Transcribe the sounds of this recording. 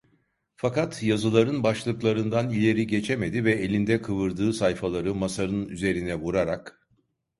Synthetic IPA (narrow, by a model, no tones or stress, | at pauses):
fakat̪jazɯlˠaɾɯnbaʃlˠɯklˠaɾɯnd̪anilʲe̞ɾiɟe̞t͡ʃʰeme̞d̪ivɛelʲind̪ɛkʰɯvɯɾd̪ɯːsajfalˠaɾɯmasaɾɯnyze̞ɾinɛvuɾaɾak